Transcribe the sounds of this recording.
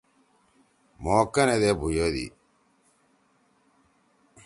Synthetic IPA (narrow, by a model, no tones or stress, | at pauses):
moːkːɐned̪ebʱujod̪ḭ